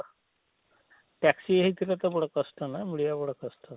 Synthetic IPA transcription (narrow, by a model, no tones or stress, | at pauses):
ʈɛksieɦit̪ʰilat̪əbəɽəkəsʈanamuɭijabəɽ̤əkəsʈʰa